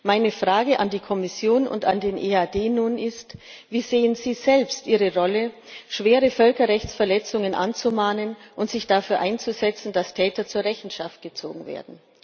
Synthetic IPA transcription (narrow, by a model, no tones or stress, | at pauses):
maɪnəfʁ̥aːɡəʔandiːkʰɔmɪsjoːnʊ̰nta̰ndeːnʔeaːdeːnuːnɪst | viːzeːənziːzɛlpstʔiːʁəʁɔlə | ʃv̥eːʁəfœlkɐʁɛçt͡sfɛɐlɛt͡sʊŋənʔa̰nt͡sumaːnənʔʊntz̥ɪçd̥afyːɐʔaɪnt͡suzɛt͡sn̩dastʰɛːtɐt͡suːɐʁɛçn̩ʃaft̚ɡ̥ət͡so̰ːɡŋ̩vḛːɐdn̩